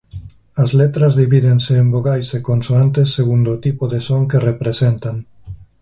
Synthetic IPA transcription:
azlet̪ɾazðiβiðenseːmboɣajsekonsoant̪esːeɣ̞und̪ot̪ipoðesoŋkerepɾesent̪aŋ

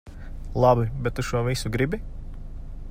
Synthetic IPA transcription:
lˠɑbibɛt̪̚t̪ːuʃuɔvisuɡɾibi

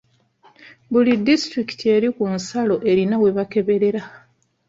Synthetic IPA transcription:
bulidːistɾiki̥tʰie̞ɾikunsalo̞ʔe̞ɾinawe̞βake̞βe̞ɾe̞ɾa

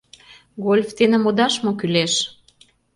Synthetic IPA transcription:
ɡolʲft̪enə̆mod̪ɑʃmokyleʃ

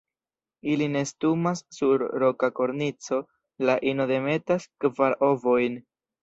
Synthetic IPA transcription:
iline̞stumasːuɾɾo̞kako̞ɾnit͡so̞ | laʔino̞de̞me̞taskvaɾo̞vo̞jn

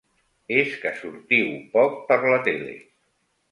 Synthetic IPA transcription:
eskəsuɾt̪iwpɔk̚pəɾlət̪elḛ

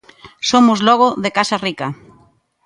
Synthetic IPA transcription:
somʊzlɔɣoðekasarikɐ

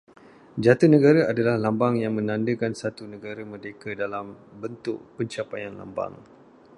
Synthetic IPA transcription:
d͡ʒat̪ənə̃ɡaɾaadalahlambaŋjaŋmə̃nãndəkansat̪unə̃ɡaɾəmədekadalambənt̪ʊ̰ʔpəɲt͡ʃapajanla̰mba̰ŋ

